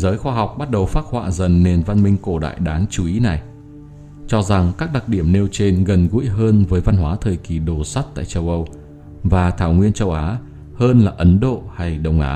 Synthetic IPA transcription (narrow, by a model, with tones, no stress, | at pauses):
zəː˨˦jxwaː˧ɦa˨˩wk͡p̚ɓa˦˥t̚ɗə˨˩wfaː˦˥t̚hwa̰ː˧˨zə˨˩nːe˨˩nva˧nmï˧ŋ̟ko˧˩ɗa̰ː˧˨jɗaː˨˦ŋt͡ɕu˨˦ʔi˨˦na˨˩j | t͡ɕɔ˧za˨˩ŋkaː˦˥k̚ɗa˨˩k̚ɗi˧˩əmne˧wt͡ɕe˧nɣə˨˩nɣṵ˧˥jɦəː˧nvəː˨˦jva˧nɦwaː˨˦t̪ʰəː˨˩jki˨˩ɗo˨˩sa˦˥t̚t̪a̰ː˧˨jt͡ɕə˧wʔə˧w | vaː˨˩t̪ʰaː˧˩wŋwi˧ənt͡ɕə˧wʔaː˨˦ | həː˧nlaː˨˩ʔə˨˦nɗo̰˧˨ha˧jɗə˧˩wŋ͡mʔa̰ː˨˦